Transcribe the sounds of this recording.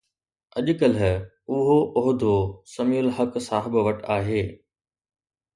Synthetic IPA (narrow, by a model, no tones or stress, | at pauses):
ɐʄkəl̤̆ | ʊɦoʔʊɦʊd̪ʱosɐmiːlɦɐksaːɦɪbʋɐʈaːɦeː